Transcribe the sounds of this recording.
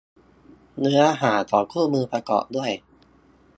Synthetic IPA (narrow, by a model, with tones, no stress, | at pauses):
nɯ˦˥ɐʔa˧ɦaː˩˦t̪ɔː˨˩kʰuː˥˩mɯː˧pɾa˧kɔ̰ː˨˩ʔdu˥˩əj